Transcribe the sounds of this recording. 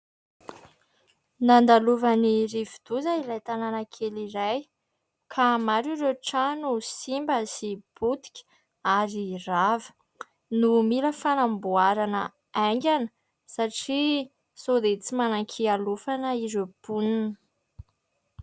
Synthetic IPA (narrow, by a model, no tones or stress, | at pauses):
nand̪aluvanirivid̪̥uzailajt̪ananəkʰeliɾaj | kʰamaɾiɾewʈ͡ʂanusimbəsib̥ut̪i̥kʲə̥ | aɾiravə̥ | numiləfanambuaɾanə | aŋɡʲanə | saʈ͡ʂi | sod̪et͡simanaŋkʰialufanəiɾepuninə